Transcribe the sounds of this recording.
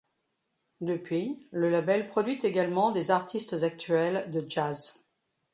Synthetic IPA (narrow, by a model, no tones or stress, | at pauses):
d̪əpɥiləlabɛlpχɔd̪ɥit̪eɡalmɑ̃d̪ezaʁt̪ʰist̪zak̚t̪ɥɛld̪əʒaz